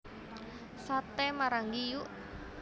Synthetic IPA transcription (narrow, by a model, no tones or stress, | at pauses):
sat̪ɛmaɾaŋɡijuʔ